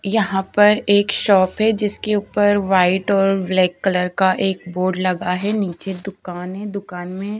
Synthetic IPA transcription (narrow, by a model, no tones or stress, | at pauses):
jɐɦãpɐɾeːkʃɔːpɦɛd͡ʒɪskeuːpəɾʋaːɪʈɔːɾblɛːkːɐləɾkaʔeːk̚boːɾɖlɐɡaɦɛniːt͡ʃed̪ʊkaːnɦɛd̪ʊkaːnmẽ